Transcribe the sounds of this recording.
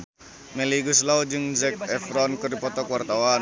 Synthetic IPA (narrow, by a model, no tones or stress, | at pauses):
meliɡuslawd͡ʒɨŋzɛkɛfɾɔnkɨrdipɔt̪ɔkwart̪awan